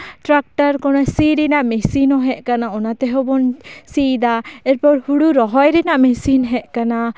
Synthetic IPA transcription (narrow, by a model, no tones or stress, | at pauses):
ʈɾak̚ʈaɾkɔnasiɾinaʔmɛsinɔɦɛʔkanaɔnat̪ɛɦobɔnsid̪aɛɾpɔɾhuɽuɾɔɦɔjɾɛnaʔmɛsinɦɛʔkana